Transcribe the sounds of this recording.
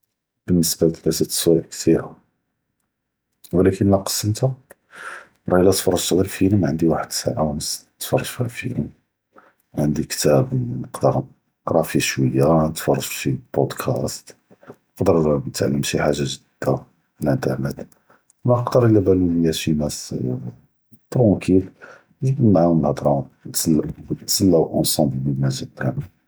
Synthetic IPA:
b̥ənːəsbælt̪bæsət̪sˤuʕkt̪ʰiɾa̰ | wlækənlæqɑ̥sːəmt̪u | ɾˤɑjlːæt̪fɑrˤɑʒt̪ɣəlfiləmʕənd̪iwaħəd̪sa̰ʕaməs | t̪fɑrˤːɑʒfɣlfḭləm | ʕənd̪ikt̪æbnəqd̪əɾˤ | ɾˤɑfiʃwəjːanət̪fɑrˤːɑʒʃibod̪kʰæst̪ | nəqd̪əɾˤnət̪ʕa̰lːəmʃiħaʒːaʒədd̪̥ːa | fəlʔənt̪əɾˤnət̪ | nqd̪əɾˤəlːæbælunəjːæʃimæs | t̪ɾũkʰil | bənːaʕumnəhd̪ɾˤɑt̪slt̪səlːæwʔɑnsɑ̃mblməlmæzəæ

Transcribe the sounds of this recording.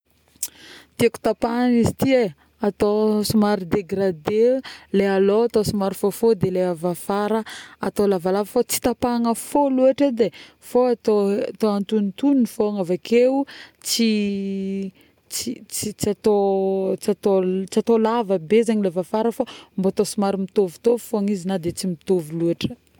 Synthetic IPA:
t̪ieku̥t̪apaŋizit̪ie | at̪osumaɾid̪eɡɾad̪elealoat̪osumaɾifofod̪eleavafaɾəat̪olavalavəfot͡si̥t̪apaŋəfoluaʈ͡ʂed̪e | foat̪ot̪oant̪unit̪uninifoŋavakeut͡si | t͡sit͡sit͡sat̪ot͡sat̪ot͡siat̪olavəbezaɲilevafaɾəfomboat̪osumaɾimit̪ovu̥t̪ofoaŋizinad̪et͡simit̪ovilueʈ͡ʂə̥

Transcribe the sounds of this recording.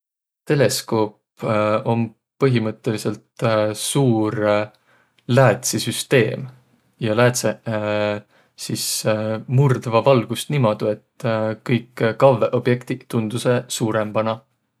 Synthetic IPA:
t̪e̞le̞sko̞ːp | o̞m | pɤɦimɤt̪ˑːe̞lise̞lt̪suːɾ | læːt̪sisyst̪e̞ːm | jɑlæːt̪se | sismurd̪vɑvɑlɡ̥ust̪nimɑd̪̥ue̞t̪ːkɤjkːkɑveʔo̞b̥je̞kt̪it̪und̪̥use̞suːɾemb̥ɑnɑ

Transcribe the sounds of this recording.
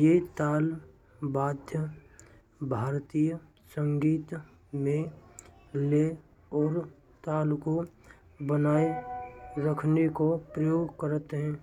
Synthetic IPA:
jet̪aːl | baːd̪ʱjə | bʱaːɾt̪iːjə | sə̃ŋɡiːt̪ | mẽ | le | ɔːɾ | t̪aːlko | bənaːe | ɾəkʰnekopɾəjoːɡkəɾət̪ɦɛ̃ː

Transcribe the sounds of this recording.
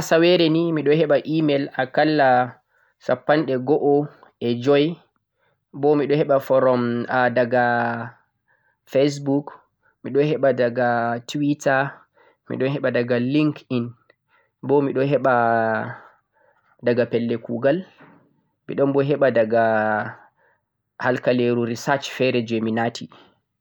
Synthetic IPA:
asawɛɾɛnimiɗɔhɛɓaʔimɛlakalːa | sapːanɗɛɡɔʔɔ | ɛd͡ʒɔj | bɔmiɗɔhɛɓafɔɾɔmadaɡa | fes̬buk | miɗɔhɛɓadaɡatwita | mḭɗɔnhɛɓadaɡaliŋkin | bɔmiɗɔɦɛɓa | daɡapɛlːɛkṵɡal | mḭɗɔmbɔɦɛɓadaɡa | halkaleɾuɾisat͡ʃfɛɾɛd͡ʒɔjminatʰi

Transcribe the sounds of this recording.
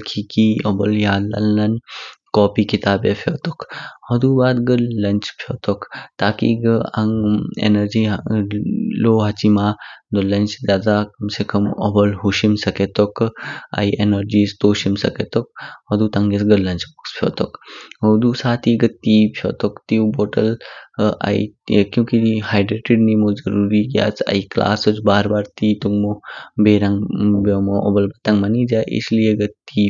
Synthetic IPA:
kʰikiɔbɔljaːd̪lɐ̰lnɐnkɔːpiːkit̪aːbeːpʰjoːt̪okhɔd̪uːbaːd̪ɡəllɐnt͡ʃpʰjot̪ɔkt̪aːkḭːɡəɐŋḛnɐɾd͡ʒiː | loːɦɐt͡ʃimaːnd̪olɐnt͡ʃzaːd̪aːkɐmsekɐmɔ̰bɔlɦuʃimsɐket̪oka̰iʔenɐɾd͡ʒiːst̪oːʃimsɐ̰ket̪ok̚ɐd̪uːt̪ɐ̃ŋɡesɡəlːɐnt͡ʃbukspʰjo̰ːt̪ɔkɦod̪usaːt̪ʰiɡəiːpʰjo̰t̪ɔkt̪iwboːʈəl | a̰ḭkjũːkihaːjɖɾeːʈiɖnimozɐɾuːɾiɡja̰ːt͡sʰɐ̰ikla̰ːsot͡ʃbaːɾbaːɾt̪iːt̪uŋɡmobeːɾɐ̃ŋɡbomoʔɔ̰bɐlbɐt̪aŋɡmɐnid͡ʒaʔḭslijeɡət̪ːiː

